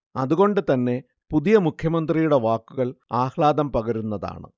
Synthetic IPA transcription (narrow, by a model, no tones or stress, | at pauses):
ɐðuɣo̞ɳɖɨt̪ɐnːe̞ | puðijɐmukʰjɐmɐnd̪rijuɽe̞ʋaːkːuɣɐɭaːxɭaːd̪ɐmpɐɣɐɾunːɐða̰ːɳɨ̰